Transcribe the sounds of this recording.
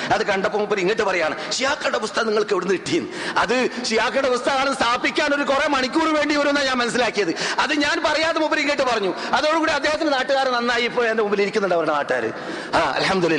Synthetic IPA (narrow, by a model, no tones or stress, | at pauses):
ɐðɨkɐɳɖɐpːɐmupːɐɾiŋːiʈ̬ːɨpɐrɐjaːɳɨɕijaːkːɐɽeʋust̪ʰɐniŋːɐɭkeʋiɽunːɨiʈːijunːɨɐðɨɕijaːkːɐɽeʋust̪ʰɐkaːɳɐnst̪ʰaːpːikʲːaːno̞ɾukuremɐɳikʲːuːɽuʋe̞ːɳɖiʋɐɾumnːaɲaːnmɐnɐs̬ːilaːkːijɐðɨɐðɨɲaːnpɐrɐjaːðemupːɐɾiŋːijʈːɨpɐrɐɲːu | ɐðo̞ːɽukuːɽiɐd̪ʱːe̞ːhɐt̪̬ːindenaːʈːɨɣaːɾɐnɐnːaːjipːoːɐndemumbiliɾikʲːunːuɳɖɐʋɐɾɽenaːʈːɣaːɾɨ̰ | aːɐ̰lhɐmd̪ulilː